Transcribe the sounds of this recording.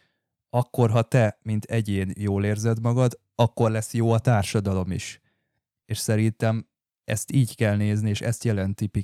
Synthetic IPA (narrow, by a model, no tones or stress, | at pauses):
ɒkːo̞rɦɒt̪ɛmint̪ʰɛɟeːnjoːleːrzɛd̪mɒɡɒd̪ | ɒkːo̞rlɛsːjoːɒt̪aːrʃɒd̪ɒlo̞mḭʃ | eːʃsɛɾint̪ɛm | ɛ̰st̪iːckɛlneːznieːʃɛst̪jɛlɛnt̪ipi